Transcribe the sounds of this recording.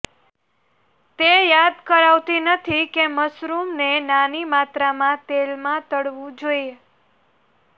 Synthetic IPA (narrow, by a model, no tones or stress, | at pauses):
t̪ejad̪kəɾaʋt̪inət̪ʰikeməsɾumnenanimat̪ɾamãt̪elmãt̪əɽʋũd͡ʒoie